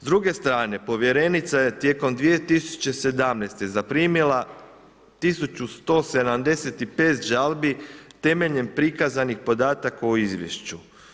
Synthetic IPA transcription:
zd̪ɾuɡe̞st̪ɾaːne̞po̞ʋje̞ɾe̞nit̪saje̞t̪je̞ko̞md̪ʋijet̪isu̥t͡ɕe̞se̞d̪amnest̪e̞zapɾiːmilˠa | t̪isut͡ɕust̪o̞ːse̞d̪amd̪e̞se̞t̪ipe̞ːt̪ʒalˠbit̪e̞me̞ʎe̞mpɾikazanixpo̞d̪aːt̪akauizʋjeʃt͡ɕu

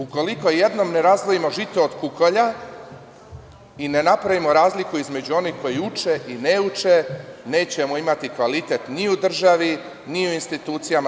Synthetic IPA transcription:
uko̞liko̞je̞d̪no̞mne̞ɾazʋojimo̞ʒit̪oːd̪kukoʎa | ine̞napɾaʋimo̞ɾaːzlikuizme̞d͡ʑuo̞nihko̞jiut͡ʃe̞ʔineut͡ʃene̞ːt͡ɕemoimat̪ikʋalit̪e̞t̪niud̪r̩ʒaʋi | niuinst̪it̪uːt̪sijama

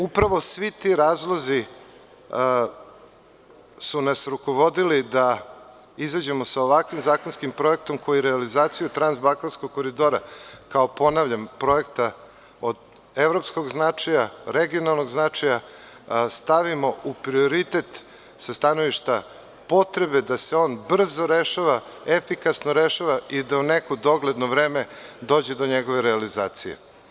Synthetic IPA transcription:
upɾaʋo̞sʋit̪iɾaːzlˠozi | sunasɾuko̞ʋod̪ilid̪a | izad͡ʑe̞mo̞saoʋakʋimzaːko̞nskimpɾo̞e̞k̚t̪o̞mko̞jiɾealizaːt̪sijut̪ɾanzbakansko̞ɡ̚kːoɾid̪o̞ːɾakaopo̞naʋʎampɾo̞e̞kt̪a | od̪ | eʋɾopsko̞ɡznat͡ʂajaɾeɡio̞nalˠno̞ɡznat͡ʂaja | st̪aʋimo̞ʔupɾio̞ɾit̪et̪ | sast̪anoʋiʃt̪a | po̞t̪ɾebe̞d̪aseo̞ːnbr̩zo̞ɾeʃaʋaefikasnoɾeʃaʋaid̪aunekod̪o̞ɡled̪noʋɾeːmed̪o̞ːd͡ʑed̪o̞ɲeɡo̞ʋe̞ɾealizaːt̪sijḛ

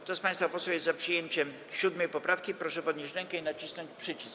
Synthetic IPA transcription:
kt̪ɔspaɲj̃st̪fapɔswɛwjɛst̪zapʂɨjeɲt͡ɕɛm | ɕud̪mɛjpɔpɾafkʲipɾɔʂɛpɔd̪ɲeɕɾɛŋkɛinat͡ɕisnɔɲt͡ɕpʂɘt͡ɕis

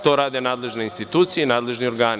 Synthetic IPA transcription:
t̪oːɾaːd̪enaːd̪le̞ʒneinst̪it̪uːt̪sijenaːd̪le̞ʒnio̞ɾɡaːn

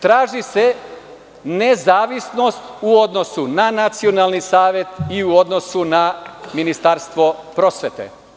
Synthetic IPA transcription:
t̪ɾaːʒise̞ | nezaːʋisno̞st̪uo̞d̪no̞sunanat̪sio̞nalˠnisaːʋe̞t̪iuod̪nosunaminist̪aɾst̪ʋo̞pɾo̞sʋet̪ḛ

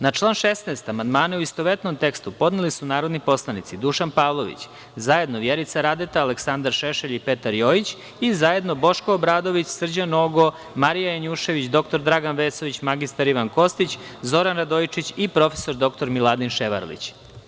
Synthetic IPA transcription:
nat͡ʃlˠaːnʃesneːst̪amand̪maːneuist̪oʋet̪nomt̪e̞kst̪upo̞d̪nelisunaːɾo̞d̪nipo̞slˠanit̪sid̪uʃanpaːʋlˠo̞ʋḭt͡ɕ | zaje̞d̪no̞ʋjeɾit̪saɾad̪et̪aːleksand̪aɾʃeʃeʎipet̪aɾjojit͡ɕ | izaje̞d̪no̞bo̞ʃkoːbɾaːd̪o̞ʋit͡ɕsr̩d͡ʑanoɡo̞ | maɾijajaɲuʃe̞ʋit͡ɕd̪o̞k̚t̪o̞ɾd̪ɾaɡanʋeːso̞ʋit͡ɕmaɡist̪aɾiʋanko̞st̪it͡ɕzo̞ɾanɾad̪ojit͡ʃit͡ɕipɾo̞fe̥so̞ɾd̪o̞k̚t̪o̞ɾmilˠad̪inʃeʋa̰ɾlḭt͡ɕ

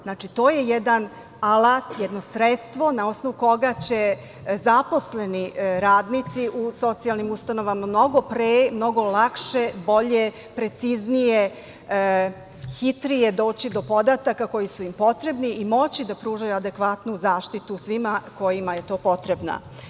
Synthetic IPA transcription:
znaːt͡ʃit̪o̞ːje̞jed̪an | alat̪jɛd̪no̞sɾet̪st̪ʋo̞nao̞sno̞ʋuko̞ɡat͡ɕe̞ | zapo̞sle̞niɾaːd̪nit̪siʔuso̞t̪sijalnimust̪ano̞ʋamamno̞ɡo̞pɾemno̞ɡo̞lˠakʃe̞bo̞ʎe̞ | pɾe̞t̪siznije | xit̪ɾijed̪o̞ːt͡ɕid̪o̞po̞d̪at̪akako̞jisuimpo̞t̪ɾe̞bniimo̞t͡ɕid̪apɾuːʒajuad̪e̞kʋat̪nuzaːʃt̪it̪usʋimako̞jimaje̞t̪o̞ːpo̞t̪ɾe̞bna̰

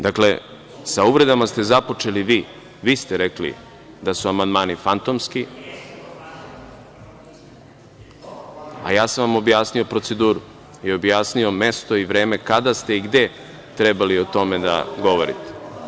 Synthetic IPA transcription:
d̪akle̞ | sauʋɾe̞d̪amast̪e̞zapo̞t͡ʃe̞liʋiː | ʋiːst̪eɾeklḭ | d̪asuamand̪maːnifant̪o̞mski | a̰jaːsanʋamo̞bjaːsnio̞pɾo̞t̪se̞d̪uːɾu | io̞bjaːsnio̞me̞st̪o̞iʋɾe̞ːme̞kad̪ast̪e̞iɡd̪e | t̪ɾe̞balio̞t̪o̞me̞d̪a̰ɡo̞ʋo̞ɾḭt̪e̥

